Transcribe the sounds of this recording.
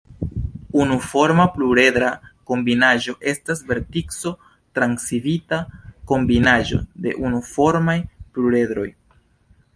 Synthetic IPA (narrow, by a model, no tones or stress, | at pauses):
unufo̞ɾmapluɾe̞dɾako̞mbinaʒo̞ʔe̞stas̬ve̞ɾtikso̞ | tɾaŋksivitako̞mbinaʒo̞̰de̞̰ʔunufo̞ɾmajpluɾe̞d̪ɾo̞̰j